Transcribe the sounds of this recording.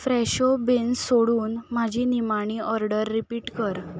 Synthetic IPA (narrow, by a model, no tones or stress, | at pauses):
fɾɛɕobensoɽuːnmad͡ʑʱinimaɽ̃iʔɔɾɖəɾːipiːʈkəɾ